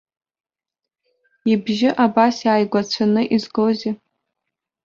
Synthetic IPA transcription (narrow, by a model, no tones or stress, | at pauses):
ibʒɪʔabasjaːjɡʷat͡ɕʷʰanɨʔizɡoze